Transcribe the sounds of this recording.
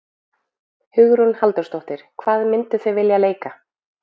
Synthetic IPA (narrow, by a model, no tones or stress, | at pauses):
hʏɣɾunhalt̪œɾst̪ɔht̪ɪɾ̥kʰvaːðmɪnt̪ʏθœɣvɪljaleːjka